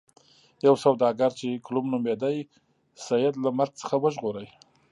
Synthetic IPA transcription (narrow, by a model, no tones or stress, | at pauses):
jawsawd̪ɑɡaɾt͡ʃeklumnumed̪aj | sajɪd̪lamaɾɡ̚t͡sə̥xawəʒɣoɾəj